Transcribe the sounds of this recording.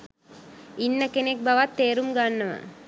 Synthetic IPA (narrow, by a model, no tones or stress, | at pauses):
inːəkenek̚baʋat̪ːeːɾumɡanːəʋə̰